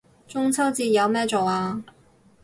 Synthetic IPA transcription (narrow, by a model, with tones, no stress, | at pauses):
t͡sʊ˥ŋt͡sʰɐ˥wt͡siː˧jɐ˨˧wmɛː˥˩t͡so˨˩waː˧